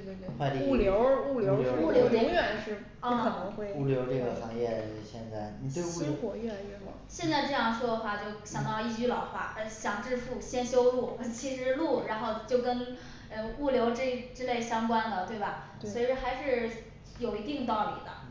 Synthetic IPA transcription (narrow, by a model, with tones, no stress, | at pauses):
t̪w̪we˥xwa˥˧t̪i˥u˥˩ljo˧˥ʊu˥˩ljo˧˥jo˧˥ʊu˥˩ljo˧˥ʊɻʊ˧˥ŋjɥɛ˨˩nʂɻ̩˥˩ | ə˥˧˨nə˧˥ŋxwe˥˩ɪu˥˩ljo˧˥ʊʈ͡ʂɤ˥˩ɡə˩xɑ˧˥ŋjɛ˥˧˥ɕjɛ˥˧nt͡sa˥˩ɪni˨˩t̪we˥˧ɪu˥˩˥xwɔ˨˩jɛ˥˩ɛ̰˥˩˧ɕjɛ˥˧nt͡sa˥˧ɪʈ͡ʂɤ˥˧jɑ˥˩ŋʂwɔ˥d̪ə˧xwa˥˩t͡ɕjo˥˩ʊɕjɑ˨˩ŋt̪ɑ˥˧ʊi˥˩t͡ɕy˥˩lɑ˨˩ʊxwa̰˥˩ə˧˩ɕjɑ˨˩ŋʈ͡ʂɻ̩˥˧fu˥˩ɕjɛ˥nɕjo˥ʊlu˥˩˧t͡ɕʰi˧˥ʂɻ̩˧˥lu˥˩ɻa˧˥nxo˥˧ʊt͡ɕjo˥˩ʊkə˥n | ə˥˩u˥˩ljo˧˥ʊʈ͡ʂ̩˥˩˥ʈ͡ʂɻ̩˥le˥˩ɪɕjɑ˥ŋkwa˥ndə˨t̪we˥˩ɪbɐ˩ | swɔ˧˥i˨˩ʈ͡ʂə˥˩xa˧˥ɪʂɻ̩˥˩ | jo˨˩ʊi˧˥t̪i˥˧ŋt̪ɑ˥˩ʊlḭ˨˩d̪ə̰˦